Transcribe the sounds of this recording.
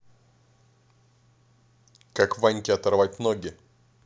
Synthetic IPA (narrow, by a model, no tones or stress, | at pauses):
kakvanʲkʲɪɐt̪ɐrvat̚ʲnoɡʲɪ